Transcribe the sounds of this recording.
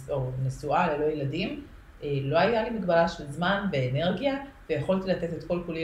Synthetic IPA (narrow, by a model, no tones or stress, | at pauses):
onesualelo̞jeladim | ʔelo̞ajalimiɡbalaʃelzmanveːne̞ʁɡijavejeχo̞lt̪ilat̪e̞t̪et̪ko̞lkoli